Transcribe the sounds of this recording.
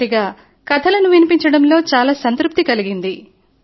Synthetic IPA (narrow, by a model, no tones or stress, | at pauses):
iɡaː | kɐt̪ʰɐlɐnuʋinipiɲt͡ʃɐɽɐmlo̞ːt͡ʃaːlaːsɐnt̪ɾup̚t̪ikɐliɡind̪i